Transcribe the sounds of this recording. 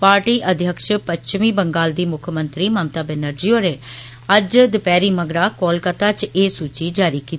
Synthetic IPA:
paːɾʈiːʔəd̪ʱjəkʃpət͡ʃmiːbəŋɡaːld̪iːmʊkʰəmənt̪ɾiːmaːmt̪aːbenəɾd͡ʒiːoːɾeː | əd͡ʒd̪ɪpɛːɾiːməɡɾaːkoːlkət̪aːt͡ʃeːsuːt͡ʃiːd͡ʒaːɾiːkiːt̪i̥

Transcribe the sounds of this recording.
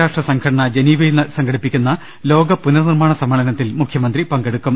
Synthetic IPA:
aːʂʈrɐsɐŋkʰɐɽɐɳɐd͡ʑeniːʋɐjilnɨsɐŋɡɐɽipːikʲːunːɐ | lo̞ːɡɐpunɐrnirmaːɳɐsɐmɐɭɐnɐt̪ːilmukʰjɐmɐnd̪ripɐŋɡeɽukːum

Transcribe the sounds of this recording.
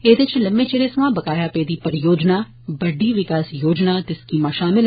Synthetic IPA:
eːd̪ɪt͡ʃləmbẽːt͡ʃeːɽeːsəmãːbəkaːjaːpeeːd̪iːpəɾjoːd͡ʒnaː | bəɖiːʋɪkaːsjoːd͡ʒnaːt̪eskiːmaːʃaːmɪl

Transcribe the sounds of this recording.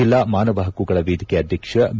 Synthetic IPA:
ilːaːmaːnɐʋɐɦɐkuɡɐɭɐʋiːd̪ʱikeɐd̪ʱjɐkʂɐb

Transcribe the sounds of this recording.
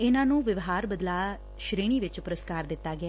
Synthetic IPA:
ɪnãːnũːʋɪʋɦaːɾbəd̪laː | ʃɾeːɽ̃iːʋɪt͡ʃpʊɾəskaːɾd̪ɪt̪ːaːɡɪaː

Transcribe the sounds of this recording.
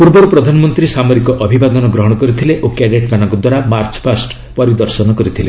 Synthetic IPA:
puɾbɔɾupɾɔd̪ʱanɔmɔnt̪ɾisamɔɾikɔʔɔbʱibad̪ɔnɔɡɾɔɦɔɽ̃ɔkɔɾit̪ʰileʔokeɖeʈmanɔŋkɔd̪waɾamaɾt͡ʃɔ̥pʰasʈ | pɔɾid̪ɔɾsɔnɔkɔɾit̪ʰile

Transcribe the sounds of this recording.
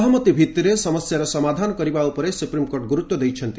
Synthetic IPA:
ɦʌmʌt̪ibʱit̪ːiɾesʌmʌsjaɾʌsʌmad̪ʱankʌɾibaupɔɾesupɾimkoɾʈɡuɾut̪wɔd̪ejt͡ʃʰʌnt̪i

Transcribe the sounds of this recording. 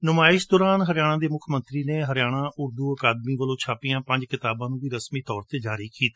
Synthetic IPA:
nʊmaːɪʃd̪ɔːɾaːnɦəɾjaːɽ̃ãːd̪eːmʊkʰmənt̪ɾiːneːɦəɾɪjaːɽ̃ãːʔʊɾd̪uːəkaːd̪miːʋəlõːt͡ʃʰaːpɪjãːpə̃ɲd͡ʒkɪt̪aːbãːnũːʋiːɾəsmiːt̪ɔːɾt̪eːd͡ʒaːɾiːkiːt̪a

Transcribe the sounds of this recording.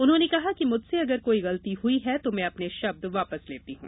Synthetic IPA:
ʊnɦõːnekɐɦakimʊd͡ʒʱseɐɡəɾkoːiɣɐlət̪iɦʊiɦɛt̪omɛ̃ɐpneʃɐb̚d̪ʋaːpəsleːt̪iɦṵ̃ː

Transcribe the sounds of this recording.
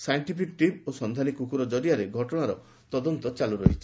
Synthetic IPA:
sajɳʈipʰikʈip̚osɔnd̪ʱanikukuɾɔd͡ʒɔɾiaɾeɡʱɔʈɔɽ̃aɾɔ | t̪ɔd̪ɔnt̪ɔt͡ʃaluɾɔɦit͡ʃʰi

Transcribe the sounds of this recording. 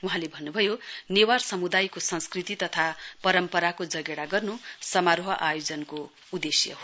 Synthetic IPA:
wuɦãlebʱʌnːubʱʌjonewarsʌmud̪ajkosʌ̃nskrit̪it̪ʌt̪ʰapʌɾʌmpʌɾakod͡zʌɡeɽaɡʌrnusʌmaɾoɦʌʔajod͡zʌnko | ud̪esjʌ̰ɦo

